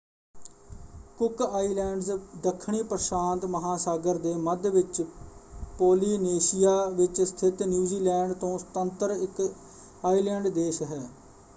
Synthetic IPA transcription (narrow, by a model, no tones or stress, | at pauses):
kʊkaːiːlɛːɳɖzd̪əkʰːɳ̃iːpɾəsaːnt̪məɦaːsaːɡəɾd̪eːməd̪ʋɪt͡ʃ | poːliːneːʃɪjaːʋɪt͡ʃsə̥t̪ʰɪt̪njuːziːlɛːɳɖt̪õːsət̪ənt̪əɾɪk | aːiːlɛ̃ːɳɖd̪eːʃɦɛː